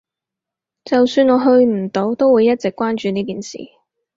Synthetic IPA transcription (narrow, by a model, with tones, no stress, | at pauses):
t͡sɐ˨wsyː˧nɔː˨˧ɦɵ˧ɥm̩˨˩t̪o˨˥wt̪o˥wuː˨˧jːɐ˥t̚t͡sɪ˨kːʷwaː˥nt͡ʃyː˨niː˥kiː˨nsḭː˨˩